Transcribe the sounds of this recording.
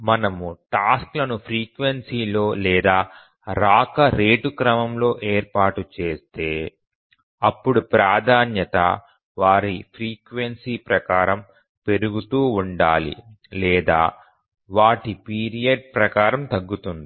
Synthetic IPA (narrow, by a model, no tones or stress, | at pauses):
mɐnɐmuʈaːsklɐnupʰɾiːkʋensiːlo̞ːlɛːd̪aː | ɾaːkɐɾeːʈukɾɐmɐmlo̞ːʔeːɾpaːʈut͡ʃe̞ːst̪e̞ː | ɐpːuɽupɾaːd̪ʱaːnjɐt̪ɐ̰ | ʋaːɾipʰɾiːkʋensiːpɾɐkaːɾɐm | pe̞ɾuɡut̪uːuɳɖaːlḭlɛːd̪a̰ː | ʋaːʈipiːɾijɐɖ̚pɾɐkaːɾɐmt̪ɐɡːut̪und̪i